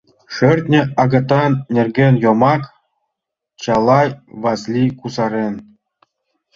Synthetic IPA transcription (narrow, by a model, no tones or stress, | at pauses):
ʂɘ̆rʲt̪ʲnʲɘ̆ɑɡɤ̆t̪ɑnnʲerɡʲenʲjomɑk | t͡ɕɑlˠɑjʋɑslʲikuzɑɾʲen